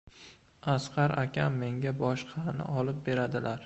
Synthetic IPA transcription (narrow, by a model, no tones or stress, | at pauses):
asqʰɑɾakʲʰamːe̞ŋɡʲabɒʃqʰɑnɪ̰ɒlɪp̚be̞ɾad̪ɪlaɾ